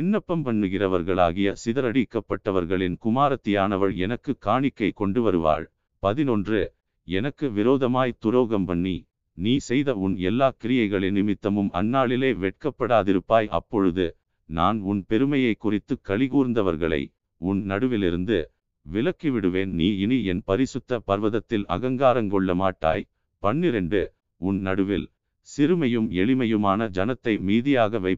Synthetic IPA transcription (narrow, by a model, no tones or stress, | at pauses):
ɪnːɐpːɐmpɐɳːɯɣɪrɐʋɐɾɣɐɭa̰ːɣɪjɐsɪðɐɾɐɽɪkːɐpːɐʈːɐʋɐɾɣɐɭɪnkʊmaːɾɐt̪ːɪjaːnɐʋɐɻɛnɐkːɯkaːɳɪkːɐɪkɔɳɖɯʋɐɾɯʋa̰ːɻ | pɐðɪnɔndrɯ | ɛnɐkːɯʋɪɾoːðɐmaːjt̪ʊɾoːɣɐmpɐɳːi | niːsɛjðɐʊnɛlːaːkɪɾɪjɐɪɣɐɭɪnːɪmɪt̪ːɐmɯmɐ̰nːaːɭɪleːʋɛʈ̚kɐpːɐɽaːðɪɾɯpːaːjʔɐ̰pːɔɻɯðɯ | na̰ːnʊnpɛɾɯmɐjɐɪkːʊrɪt̪ːɯkːɐɭɪɣuːɾɯnd̪ɐʋɐɾɣɐɭɐ̰ɪ | ʊnnɐɽɯʋɪlɪɾɯnd̪ɯ | ʋɪlɐkːiʋɪɽɯʋeːnniːɪniɛnpɐɾɪsɯt̪ːɐpɐɾʋɐðɐt̪ːɪlɐ̰ɣɐŋɡaːɾɐŋkɔɭːɐmaːʈːa̰ːj | pɐɳːɪɾɛnɖɯ | ʊnnɐɽɯʋɪ̰l | sɪɾɯmɐjɯmɛɭɪmɐjɯmaːnɐd͡ʒɐnɐt̪ːɐɪmiːðɪjaːɣɐʋɐɪp